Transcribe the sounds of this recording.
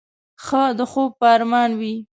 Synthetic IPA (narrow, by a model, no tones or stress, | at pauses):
xəd̪əxob̚pəɑɾmɑnwi